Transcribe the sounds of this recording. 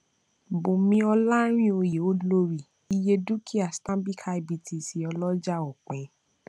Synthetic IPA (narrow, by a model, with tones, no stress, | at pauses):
bõ˨mĩ˧˦ɔ˧la˦ɾ̃ĩ˦o˧je˨o˦lo˦ɾi˦˨ | i˧je˧du˦kʰi˦a˨stã˦bi˦kʰa˧i˧˨bi˧ti˨si˨˦ɔ˧lɔ˦d͡ʒa˦˨o˨k͡pɛ̃˨˦